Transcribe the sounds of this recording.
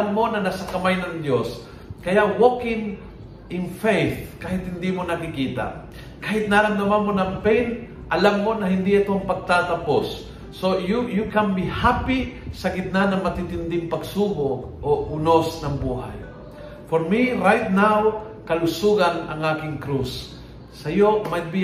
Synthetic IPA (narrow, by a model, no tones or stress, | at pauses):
nmonɐnasakɐmajnɐŋd̪jos | kɐjaʔwokɪŋ | ʔɪŋfejθkaːhɪt̪hɪnd̪imonɐkɪkiːt̪a̰ | kaːhɪt̪̚naːɾamd̪amanmonɐmpɛjn | ʔɐlamːonɐɦɪnd̪iɐt̪oɐŋpɐɡ̚t̪at̪ɐposː | ojʊkambɪhapɪsɐɡɪt̪̚nanɐŋmɐt̪it̪ɪnd̪ɪŋpɐɡsuːboʔoʔʊnosnɐŋbuːha̰j | foɾmiɾajt̪̚nawkɐlʊsuɡanɐ̰ŋaːkɪŋkɾusː | ɐjomajt̪̚bi